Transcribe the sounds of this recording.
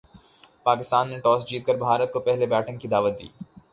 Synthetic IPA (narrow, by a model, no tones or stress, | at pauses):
paːkɪst̪aːnːeʈɔːsd͡ʒiːt̪̚kəɾbʱaːɾət̪̚kopɛɦlebɛːʈʰə̃ŋɡkid̪aːʋət̪̚d̪ḭː